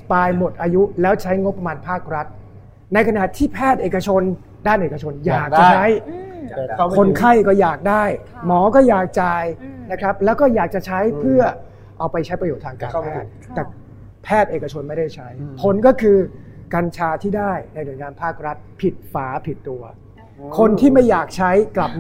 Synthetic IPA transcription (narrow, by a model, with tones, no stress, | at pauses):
paː˧jmo˨˩t̪̚ʔaː˧ju˦˥lɛː˦˥wt͡ɕʰa˦˥jŋo˦˥pːa˧maː˧npʰaː˥˩k̚ɾa˦˥t̪̚ | na˧jkʰa˧na˨˩t̪ʰiː˥˩pʰɛː˥˩t̪̚ʔeː˨˩ka˧t͡ɕʰo˧n | daː˥˩nʔeː˨˩ka˧t͡ɕʰo˧njaː˨˩k̚t͡ɕa˨˩t͡ɕʰa˦˥j | kʰo˧nkʰa˥˩jkɔː˥˩jaː˨˩k̚daː˥˩j | mɔː˩˦kɔː˥˩jaː˨˩k̚t͡ɕa˧jna˦˥kʰɾa˦˥p̚lɛː˦˥wkɔː˥˩jaː˨˩k̚t͡ɕa˨˩t͡ɕʰa˦˥jpʰɯ˥˩ɐ | ʔa˧wpa˧jt͡ɕʰa˦˥jpɾa˧joː˨˩t̪ʰːaː˧ŋkaː˧˦˧pʰɛː˥˩t̪̚ːɛː˨˩ | pʰɛː˥˩t̪̚ʔeː˨˩ka˧t͡ɕʰo˧nma˥˩jda˥˩jt͡ɕʰa˦˥jpʰo˧˥nkɔː˥˩kʰɯː˧ka˧nt͡ɕʰaː˧t̪ʰiː˥˩daː˥˩jna˧jnu˧˩əjŋaː˧npʰaː˥˩k̚ɾa˦˥t̪̚pʰi˨˩t̪̚faː˩˦pʰi˨˩t̪ːu˧ɐ | kʰo˧nt̪ʰiː˥˩ma˥˩jːaː˨˩k̚t͡ɕʰa˦˥jkla˨˩p̚